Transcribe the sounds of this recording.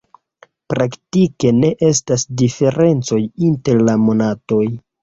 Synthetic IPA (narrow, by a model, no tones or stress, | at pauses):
pɾaktike̞ne̞ʔe̞stasdife̞ɾʔe̞nt͡so̞jinte̞ɾlamo̞nato̞j